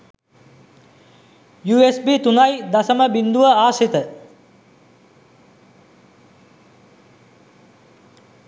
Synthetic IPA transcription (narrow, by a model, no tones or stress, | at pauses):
juːesbit̪unajd̪asəməbind̪uʋəaːset̪ə